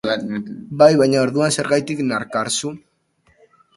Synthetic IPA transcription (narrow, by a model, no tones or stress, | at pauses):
bajβajɲao̞ɾðuanse̞ɾɣajt̪iknaɾkaɾsu